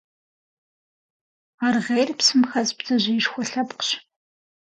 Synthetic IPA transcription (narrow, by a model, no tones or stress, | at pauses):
arʁejrpsɨmxɐzpzɐʑɪɪʃxʷɔɬɐpqɕ